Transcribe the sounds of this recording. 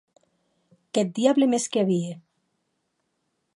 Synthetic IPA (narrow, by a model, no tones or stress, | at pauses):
kɛt̪̚d̪iaβlemeskeaβie